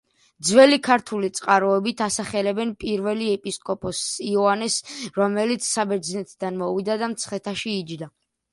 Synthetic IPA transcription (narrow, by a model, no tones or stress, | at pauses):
d̪zwɛlikʰaɾt̪ʰulit̪sʼqʼaɾɔɛbit̪ʰasaχɛlɛbɛnpʼiɾvɛliɛpʼiskʼɔpʼɔsiɔanɛsɾɔmɛlit̪sʰsabɛɾd̪znɛt̪ʰd̪anmɔvid̪ad̪amt̪sʰχɛt̪ʰaʃiːd͡ʒd̪a